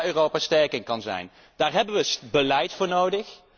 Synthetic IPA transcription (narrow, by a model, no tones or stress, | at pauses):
øːrowpaːstɛɹkɪŋkɑnzɛ̰jn | d̥aːɹɦɛbənʋəbəlɛjtfʊːɹnowdəχ